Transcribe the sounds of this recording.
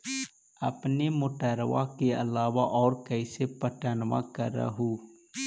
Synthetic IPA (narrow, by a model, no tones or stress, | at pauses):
ə̰pnemʊʈəːɾʋa̰keəlaːʋaʔɔːɾkəɪsepəʈanʋa̰kə̰ɾə̰ɦuː